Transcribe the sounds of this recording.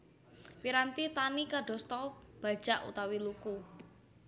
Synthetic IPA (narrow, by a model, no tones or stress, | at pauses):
wiɾant̪it̪anikaɖɔ̤st̪ɔb̥a̤̥ʒ̥a̤ʔṵt̪awiluku